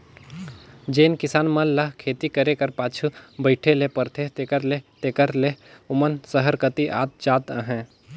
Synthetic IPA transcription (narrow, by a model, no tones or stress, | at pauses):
d͡ʒeːnkɪsaːnmɐllɐɦkʰeːt̪ikəɾekɐɾpaːt͡ʃʰubəɪʈʰelepəɾt̪ʰet̪ekəɾlet̪eːkəɾleʊmənsəɦəɾkət̪iʔa̰ːt̪̚d͡ʒaːt̪ə̰ɦɛ̃ː